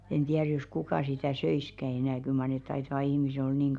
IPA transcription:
en tiær jos kukɑˑ sitæ søiskæ enæˑ kyl mɑr net̆ tɑitɑʋ̆ɑ̆ ihmise ol niːŋ

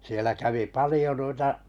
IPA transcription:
sielæ kæʋi pɑlijo nuitɑ

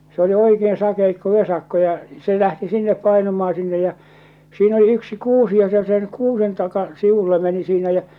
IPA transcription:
se oli oikeːn sɑkeikːo ʋesɑkːo jɑ se læhti sinːep pɑinumɑː sinːej jɑ̟ siːn oli yksi kuːsi jɑ se sen kuːsen tɑkɑ siʋulːe meni siːnæ jæ

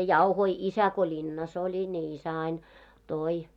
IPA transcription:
jɑuhoi isæ ko lʲinːɑs olʲi ni isæ ɑin toi

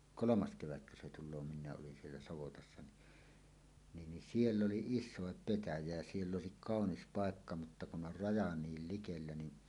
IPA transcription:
kolomɑs keʋætkø se tulˑoː minˑæːʔ ʔolin sielːæ sɑʋotɑsːɑ ni niːn ni sielː oli isˑoˑep petæjæ jæ sielː oˑesik kɑˑonis pɑˑekːɑ mutːɑ kun ʔor rɑjɑ niːl likelːæ ni

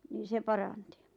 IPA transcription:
niːn̆ se pɑrɑnti

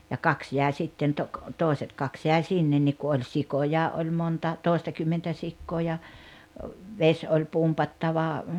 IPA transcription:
jɑ kɑks jæˑe sitːen to toˑeset kɑks jæi̞ sinːen nik ku olʲ sikojɑː ʔolʲ montɑ toˑestɑkymːentæ sikːoː jɑ ʋesʲ olʲ pumpɑtːɑʋɑ

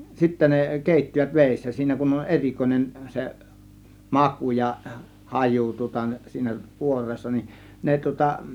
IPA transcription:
sitːæ ne keˑitːiʋæt ʋeˑisːæ siːnæ kun on erʲikoinen se mɑkuˑ jɑ hɑjuˑ tŭŏtɑ siːnæ kuorˑeːsːɑ nin ne tŭŏtɑ

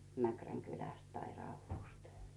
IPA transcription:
mækræŋ kylæst tɑi rɑuʋːuˑst

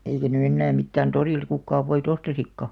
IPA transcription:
eikæ ny enːæː mitːæːn toriˑlt̆ kukːɑːʋ ʋoit ostɑsikːɑ

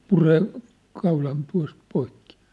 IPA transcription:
pureː kɑulɑn tuɑ̝st poikːi̥

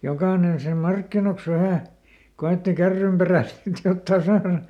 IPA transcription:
jokɑːnen sĭnem mɑrkːinoks ʋæhæˑ koeˑtːi kærːymperæˑ sit jotːɑː sɑːrɑ

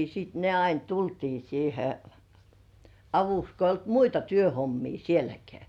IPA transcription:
siːt ne ɑin tultiː siːhe ɑʋuks ko ijˑ olt muitɑ tyøhomːiː sielækeæ

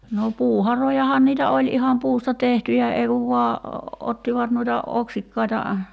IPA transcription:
no puːhɑrojɑhɑn niːtæ olʲ ihɑm puːstɑ tehtyjæ ei kuʋ ʋuɑ otːiʋɑt nuitɑ oksikːɑitɑ

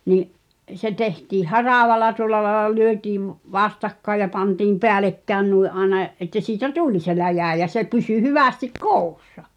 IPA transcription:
niʔ se tehtiːh hɑrɑˑʋɑlɑ tuŏlˑɑ lɑĕlɑ lyøtiːʋ ʋɑstɑkːɑĕj jɑ pɑntiːm peælekːæːn nuiʔ ʔɑenɑ ʔetːæ siːtæ tulʲ se læjæˑ jɑ se pysy hyʋæstik koˑu̞sːɑ

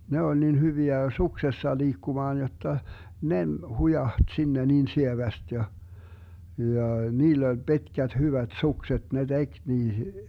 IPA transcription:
ne olʲ nin hyʋiæ suksesːɑ liːkːumɑːn jotːɑ ne m hujɑht sinːe niːn sieʋæst jɑ jɑˑ niːlː olʲ b̥i̯tkæt hyʋæt sukset ne tek niːhi̥

